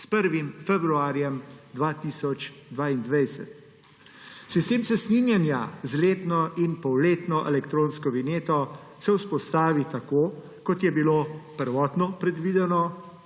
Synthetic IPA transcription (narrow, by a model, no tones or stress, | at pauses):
spəɾʋimfɛbɾuaːɾjɛmd̪ʋat̪iːsɔt͡ʃd̪ʋaːind̪ʋɛjsɛ̰t̪ | sist̪eːmsɛsninjanjazleːt̪nɔinpɔwleːt̪nɔʔɛlɛkt̪ɾoːnskɔʋineːt̪ɔ | sɛwspɔst̪aːʋit̪ako | kɔt̪jɛbiloːpəɾʋɔːt̪nɔpɾɛd̪ʋiːd̪ɛnɔ